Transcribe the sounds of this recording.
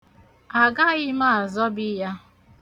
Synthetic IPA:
a˨ɡa˦ɣɪ˦ma˦a˨zɔ˦bɪ˦ja˦

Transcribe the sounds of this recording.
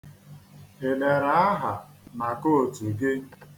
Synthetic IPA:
e˨le˨ɾa˨a˦ɦa˨ | na˨ko˦˨tu˨ɡe˦

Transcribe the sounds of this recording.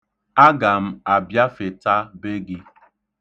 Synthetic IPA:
a˦ɡa˨m̩˦a˨bja˦fe˨ta˦be˦ɡi˦

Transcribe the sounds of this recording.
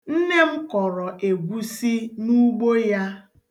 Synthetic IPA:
n̩˦ne˦m̩˦kɔ˨ɾɔ˨ʔe˨ɡʷu˦si˦nu˦ɡ͡bo˦ja˦

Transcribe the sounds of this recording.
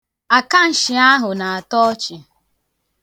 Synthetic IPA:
a˨ka˦n̩˨ʃɪ˨a˦ɦʊ˨na˨a˨tɔ˦ɔ˦t͡ʃɪ˨

